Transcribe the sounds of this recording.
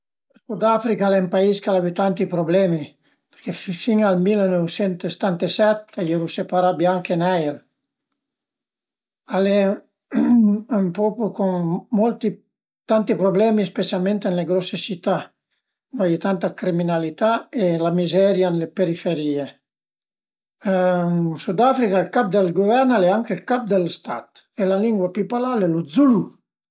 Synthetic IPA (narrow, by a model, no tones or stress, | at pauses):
esud̪afɾikaalempaiskalaβit̪ant̪ipɾoblɛmi | pe̥ɾkeffiŋalmilnɔwsɛnt̪est̪ant̪esɛt̪ajeɾusepaɾabjaŋkenajel | ale | umpɔpukoŋmɔlt̪i | t̪ant̪ipɾoblɛmispesalment̪enleɡɾɔsːet͡ʃit̪ːa | najt̪ant̪akɾiminalit̪aelamizɛɾjanlepeɾifeɾiːe | sud̪afɾikailkap̚d̪elɡovɛɾnalɛaŋkelkap̚d̪elst̪a̰t̪ | elaliŋɡwapipalalɛlud̪zulu